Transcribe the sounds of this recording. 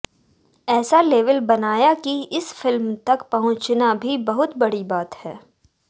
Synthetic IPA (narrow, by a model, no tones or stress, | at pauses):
ɛːsaleːʋəlbɐnaːjakiɪsfɪlmt̪ɐkpɐɦʊ̃t͡ʃnabʱibɐɦʊt̪bɐɽibaːt̪hɛː